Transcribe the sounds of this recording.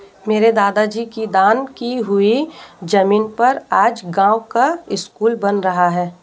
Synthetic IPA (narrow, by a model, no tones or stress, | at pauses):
meːɾed̪aːd̪ad͡ʒiːkid̪aːnkiɦʊid͡ʒɐmiːnpɐɾaːd͡ʒɡãːwkaɪskuːlbɐnɾɐɦaɦɛː